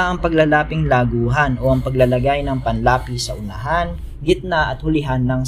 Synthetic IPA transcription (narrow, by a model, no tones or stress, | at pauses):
ʔɐŋpɐɡlɐlaːpɪŋlaːɡuːɦɐnʔo̞ʔɐŋpɐɡlɐlɐɡajnɐŋpɐnlaːpisɐʔʊnɐɦan | ɡɪt̪̚naʔɐt̪̚hʊlɪɦanːɐŋ